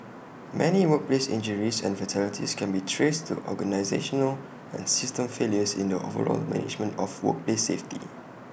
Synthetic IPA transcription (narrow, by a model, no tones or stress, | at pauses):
mʔɛniwək̚plesḭ̃nd͡ʒəɹisɛ̰̃nfətʰɛlitʰḭskʰɛ̃nbitʰɹestʰṵʔɔ̰ɡənaɪzeʃɔnəl | ɛ̰̃nsɪstə̃mfeljəsḭ̃ndəʔovə̰ɹɔ̰lmɛ̰nɪ̰d͡ʒmə̃ntɔfwə̰k̚pleseftḭ